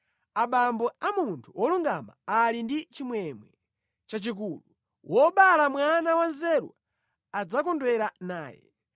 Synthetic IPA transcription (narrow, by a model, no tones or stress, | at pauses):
aɓambɔamuntʰuwɔluŋɡama̰alindit͡ʃimwɛmwɛ | t͡ʃat͡ʃik̬ulu | wʔɔɓalamwanawanzɛɾw̰a | ad͡zakɔndwɛɾanaːjɛ̰